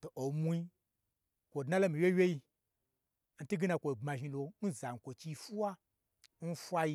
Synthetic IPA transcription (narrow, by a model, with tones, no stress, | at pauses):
to˨ʔo˨mu˦˧i˧ | kʷo˨dna˦lo˦mĩ˨wje˦wʲe˦ji˧ | n̩˨˦tu˦ɡi˦na˧kʷo˨ɡ͡ba˧ʒi˧lo˧n̩˦za˨ŋ̩˨kʷo˨t͡ʃi˧fu˦wa˦ | n̩˦fʷa˦ji˧